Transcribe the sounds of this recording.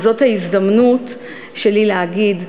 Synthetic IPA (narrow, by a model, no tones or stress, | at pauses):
zo̞thaizdɐmnut | ʃe̞lileɦaɡid